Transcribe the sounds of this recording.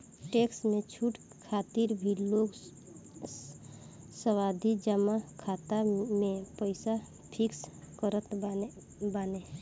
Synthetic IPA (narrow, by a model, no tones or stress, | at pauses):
ʈeːksmẽt͡ʃʰuːʈ | kʰaːt̪iɾbʱiloːɡ | səwaːd̪ʱid͡ʒəmakʰaːt̪amẽpəɪsa | pʰɪks | kəɾət̪ | baːne